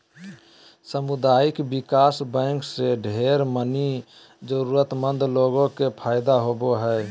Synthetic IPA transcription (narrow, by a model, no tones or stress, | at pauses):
səmud̪aikbikasbə̃ŋkseɖʱeɾməni | d͡ʒəɾuɾət̪mənd̪ʱloɡõkepʰaɪd̪aɦoboɦə